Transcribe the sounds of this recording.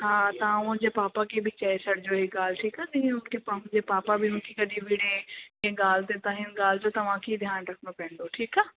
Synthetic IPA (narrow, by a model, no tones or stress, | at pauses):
ɦãːt̪aãõd͡ʒepaːpakebʱit͡ʃaːesɐɽd͡ʒoɦiɡaːlʈʰiːkaːt̪eɦĩʊnkipd͡ʒepaːpabʱiʊnkikɐɖiʋiːɽẽẽɡaːlt̪et̪ãɦɪnɡaːld͡ʒot̪ɐʋãkid̪ʱjaːnɾɐkʰnopɛ̃ːnd̪oʈʰiːkaː